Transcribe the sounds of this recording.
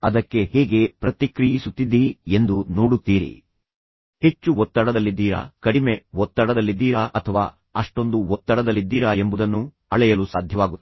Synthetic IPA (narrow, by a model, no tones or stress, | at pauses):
ɐd̪ɐkːe̞hɛːɡe̞pɾɐt̪ikɾijisut̪ːid̪ie̞nd̪uno̞ːɽut̪ːiːɾḭ | he̞t͡ʃːuɔt̪ːɐɽɐd̪ɐlːid̪ːiːɾa̰ːkɐɽime̞wɔt̪ːɐɽɐd̪ɐlːid̪ːiːɾaʔɐt̪ʰɐʋa̰ː | ɐʂʈo̞nd̪uɔt̪ːɐɽɐd̪ɐlːid̪ːiːɾaːe̞mbud̪ɐnːu | ɐɭɛjɐlusaːd̪ʱjɐʋaːɡut̪ː